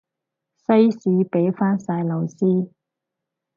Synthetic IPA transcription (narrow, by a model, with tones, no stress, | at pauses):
sɐ˥jsiː˨˧˥pe˨˥jfaː˥nsaː˧jlɐ˨˩wsiː˥